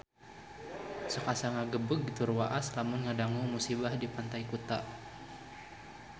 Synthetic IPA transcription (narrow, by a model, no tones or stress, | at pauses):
səkasaŋaɡəbəkɡit̪urwaʔaslamʊnŋadaŋumusibahdipant̪ajkut̪a̰